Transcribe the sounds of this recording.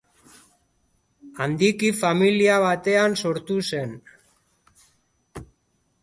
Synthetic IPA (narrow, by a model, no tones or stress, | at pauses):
and̪ikifamiliaβ̞at̪e̞anso̞ɾt̪use̞n